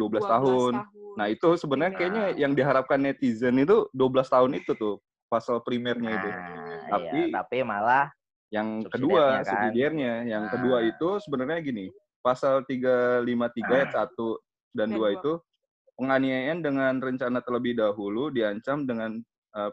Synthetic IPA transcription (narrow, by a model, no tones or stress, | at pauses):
duabəlast̪aɦʊnːahit̪usəbənərɲakajaɲajaŋdiɦaɾap̚kanːɛt̪izənit̪uduabəlast̪aɦʊnit̪ut̪ʊh | pasalpɾimɛrɲaiut̪aiapimalah | jaŋkəduasəidiɛrɲajaŋkəduait̪usəbənərɲaɡini | pasalt̪iɡalimat̪iɡajasat̪u | danduait̪u | pəŋaniajandəŋanrəɲt͡ʃanat̪ərləbɪhdaɦuludiaɲt͡ʃamdəŋan | ə